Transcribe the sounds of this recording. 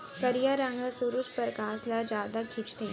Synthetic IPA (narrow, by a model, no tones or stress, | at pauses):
kɐɾijaɾə̃ŋɡasuɾuʃpɐɾkãːslad͡ʒjaːd̪akʰɪt͡ʃt̪ẽ